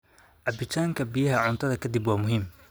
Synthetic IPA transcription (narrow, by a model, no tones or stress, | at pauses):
ʕɑbɪt̪ʰaːŋkʰɐbijɐɦɐʕʊnt̪ʰɐðɐkʰɐd̪ibwɑːmʊɦiːm